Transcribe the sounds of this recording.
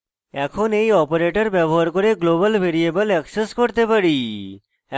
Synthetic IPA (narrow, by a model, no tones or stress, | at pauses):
ɛkʰonejɔpoɾeʈəɾbɛbɔɦaɾkoɾeɡlobəlbʱeɾiebəlɛkseskoɾt̪epaɽi